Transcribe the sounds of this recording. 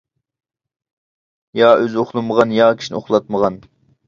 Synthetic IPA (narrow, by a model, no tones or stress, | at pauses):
jɑʔøzoχlˠɨməʁɑnjɑːkʲʰi̥ʃinɪ̰oχlˠɑt̪̚məʁɑn